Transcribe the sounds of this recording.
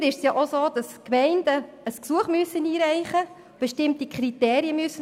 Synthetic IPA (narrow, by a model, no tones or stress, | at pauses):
ɾɪʃsjɑːʔosoːd̥ɑskmɛɪnd̥ə | əsksuəχmyəsːəniːɾæɪχə | b̥ɛʃtɪmtikχɾiteːɾiəmyəsːə